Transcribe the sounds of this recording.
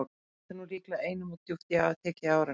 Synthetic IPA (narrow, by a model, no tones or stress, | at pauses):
ɾ | θanuriːklaejnʏmut̪juft̪ɪawaðt̪ʰɛːcɪaːwɾa